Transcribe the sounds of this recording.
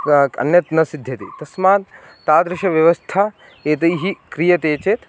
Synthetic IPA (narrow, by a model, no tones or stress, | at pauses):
ɐ̰njɐt̪nɐsid̪ʱjɐt̪ḭt̪ɐsmaːt̪̚ː | aːd̪ɾɪʃɐʋjɐʋɐst̪ʰa | eːt̪̬ɐjɦikɾijɐt̪eːt͡ʃeːt̪